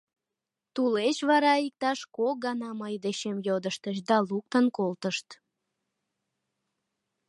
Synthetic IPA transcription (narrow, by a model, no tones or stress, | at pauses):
t̪ulet͡ɕβɑɾɑik̚t̪ɑʃkoɡɑnɑməjd̪eɕemjod̪əʃt̪ət͡ɕd̪ɑluk̚t̪ənkolt̪əʃt̪